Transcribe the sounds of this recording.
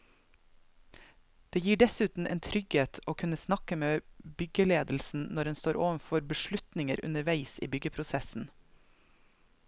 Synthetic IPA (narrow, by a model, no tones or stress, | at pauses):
d̪̥eːjiːɖɛsʉːt̪n̩ʔḛːnt̪ʰɾʏɡheːt̪ʰoːkʰʉnəsnɑkəmeːbʏɡəleːd̪l̩sn̩nɔɾɛnst̪oːɾʔoːʋənfɔɾbəʃɭʉt̪nɪŋəɾʔʉ̰nəɾʋæɪsḭːbʏɡəpʰɾʊsɛsn̩